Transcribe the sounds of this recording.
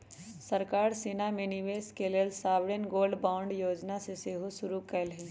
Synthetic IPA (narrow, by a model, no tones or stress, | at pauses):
səɾkaːɾseːnamẽniʋeːskeleːlsaːʋɽenɡoːlɖbaːʊɳɖjoːd͡ʒnaseseɦosʊɾukəlɦɛ̃